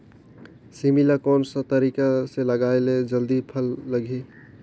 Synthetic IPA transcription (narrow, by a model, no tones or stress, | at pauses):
similakɔnsə̃t̪əɾikaseləɡaeled͡ʒəld̪ipʰəlːəɡʱe